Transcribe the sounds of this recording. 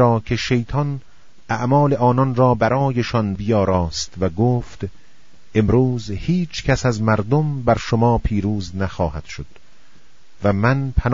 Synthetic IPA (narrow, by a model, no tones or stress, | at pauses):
ɒːkʰeʃe̞jt̪ʰɒn | æʔmɒːle̞ʔɒːnɒnrɒːbæɾɒːjeʃɒnbijɒːɾɒːst̪væɡoːft̪ | ʔe̞mɾuːzhiːt͡ʃʰkʰæsæzmæɾd̪ombæɾʃomɒːpʰiːɾuːznæxɒːhæd̪̥ʃod̪̥ | væmænpʰæn